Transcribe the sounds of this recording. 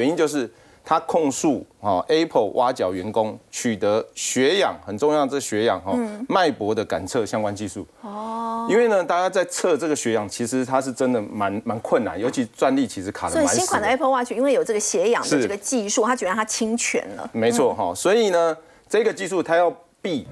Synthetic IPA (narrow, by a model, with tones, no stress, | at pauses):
ɥɛ˧˦ni˧˦nt͡ɕjo˥˧ʊʂ̬ɻ̩˥˩ | t̪ʰa˦kʰɔ˥˧ŋʂu˥˨xɔ˨ʔe˦˥pʰə˥˩wʔa˥˧t͡ɕjɑ˨˩ʊɥɛ˨˦nkʊ˦ŋt͡ɕʰy˨˩t̪ə˨˦ɕɥɛ˨˧˥jɑ̰˨˩ŋxə˨˩nʈ͡ʂo˥˧ŋjɑ˥˩d̪ə˩t͡sə˥˩ɡə˩ɕɥɛ˧˥jɑ̰˨˩ŋɦɔ˨˦ma˥˩ɪpwɔ˧˥d̪ə˨ka̰˨˩nt͡sʰɤ˥˨ɕjɑ˥ŋkwa˦nt͡ɕi˥˧ʂu˥˩ɔ˥˩i˥nwe˥˩ɪnə˨t̪a˥˧t͡ɕja˥t͡sa˥˧ɪt͡sʰɤ˥˧ʈ͡ʂə˥˩ɡə˩ɕɥɛ˧˥jɑ˨˩ŋt͡ɕʰi˧˥ʂɻ̩˧˦t̪ʰa˦ʂɻ̩˥˩ʈ͡ʂə˦nd̪ə˨ma˧˦nma˧˦nkʰwə˥˨nːa̰˨˦njo˧ʊt͡ɕʰi˧˥t͡swa˥˧nli˥˨t͡ɕʰi˧˥ʂɻ̩˧˦kʰa˨˩d̪ə˥˨a˥˦ɕi˥ŋkʰwa˨nd̪ə˧e˥pʰə˥˧wa˥˩t͡ɕʰy˥˩i˥nwe˥˩jo˨˩ɤ˥˩ɡə˩ɕjɛ˧˥jɑ̰˨˩ŋʂɻ̩˥˨˥ɡə˨˩t͡ɕi˥˧ʂu˥˨t̪a˥t͡ɕy˨˩˥nt̪ʰa˥t͡ɕʰi˥ŋt͡ɕʰɥɛ̰˧˥nlə̰˧˦me˧˥ɪt͡sʰwɔ˥˨ɦɔ˥˩swɔ˧˥i˨˩nə˩ | ʈ͡ʂɤ˥˧i˦ɡə˩t͡ɕi˥˧ʂu˥˨t̪ʰa˥jɑ˥˧ʊ | pi˥˨